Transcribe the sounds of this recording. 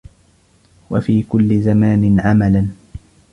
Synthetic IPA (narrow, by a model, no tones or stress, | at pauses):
wafiːkʊlːɪzamaːnɪnʕamalan